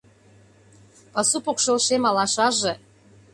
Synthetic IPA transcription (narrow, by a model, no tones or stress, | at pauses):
pɑsupokʃolʃemɑlɑʃɑʒĕ